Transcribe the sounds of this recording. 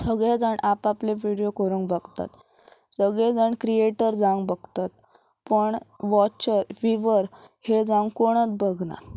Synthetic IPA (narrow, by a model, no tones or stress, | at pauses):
səɡɭed͡zəɳʔapapleʋiɽijokəɾuŋkbəɡt̪a̰t̪ | səɡɭed͡zəɳkɾieʈəɾd͡zãŋɡbəɡt̪at̪ | pəɳʋɔt͡ɕəɾfiʋəɾ | hed͡zãŋɡkoɽ̃ət͡sbəɡna̰t̪